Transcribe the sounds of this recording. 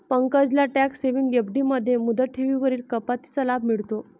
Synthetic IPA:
pəŋkəd͡ʑlaʈækseʋiŋɡɡebɖiməd̪ʱːjemud̪ʱəʈʰeʋiʋəɾiːlkəpat̪i̥t͡salab̚ʱmiɭt̪o

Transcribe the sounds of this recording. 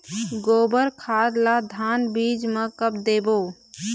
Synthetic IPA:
ɡoːbəɾkʰad̪lad̪ʱanbid͡ʒmekəpd̪eːboː

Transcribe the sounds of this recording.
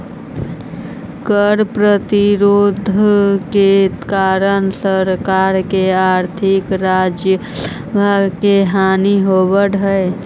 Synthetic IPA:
kəɾpɾət̪iɾod̪ʱkekaɾənsəɾkaɾkeaɾt̪ʰikɾad͡ʒjə | bʱaɡkeɦaniɦobəɽɦə

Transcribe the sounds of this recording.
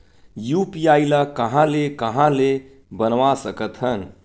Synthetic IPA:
jupiailakəɦãlekəɦãle | bənʋasəkət̪ɦən

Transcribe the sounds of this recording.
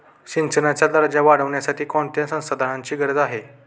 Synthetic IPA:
ɕint͡ɕənat͡ɕjad̪əɾd͡ʑaʋaɽəʋɳjasaʈiːkoɳt̪jãsə̃w̃səd̪ʱanãɲt͡ɕiːɡəɾəd͡zaɦe

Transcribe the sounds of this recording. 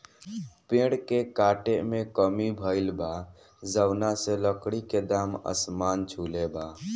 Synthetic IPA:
pẽːɽkekaːʈemẽkəmibʱəɪlba | zəwnaseləkɽiked̪aːmə̰smaːnt͡ʃʰuːlebaː

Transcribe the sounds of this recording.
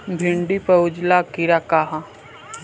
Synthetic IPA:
bʱɪɳɖipɐʊd͡ʒlakiɾakaɦã

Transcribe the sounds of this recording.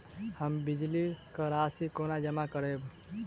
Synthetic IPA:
həmbid͡ʒlikəɾasikonad͡ʒəmakəɾeb

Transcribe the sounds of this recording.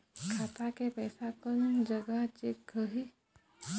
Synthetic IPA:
kʰaːt̪akepɛːsakənd͡ʒəɡəɦt͡ʃekəɦi

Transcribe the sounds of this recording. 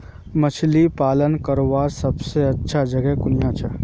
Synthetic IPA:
mɐt͡ʃʰlipaːlənkəɾoʋaːɾsɐbseɐtːʃʰad͡ʒɐɡɛɦkʊnijat͡ʃʰa

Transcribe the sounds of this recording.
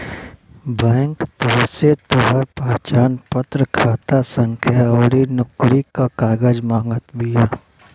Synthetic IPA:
bɛːŋkt̪oːset̪oɦəɾpaːt͡ʃaːnpət̪ɾəkʰaːt̪asə̃ŋkʰjaoːɾinʊkɾikakaːɡəd͡ʒmãːŋɡət̪bʱijaː

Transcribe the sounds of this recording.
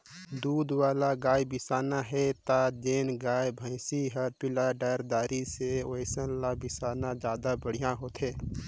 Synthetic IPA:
d̪uːd̪waːlaɡaːjbɪsaːnaɦɛt̪ad͡ʒeːnɡaːjbʱə̃ɪ̃siɦəɾpɪlaɖaːɾd̪aːɾiseəɪsənlabɪsaːnad͡ʒjaːd̪abəɽ̤ijãɦoːt̪ɦẽː

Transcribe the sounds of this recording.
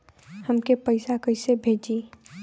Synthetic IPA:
həmkepəɪsakəɪsebʱeːd͡ʒiː

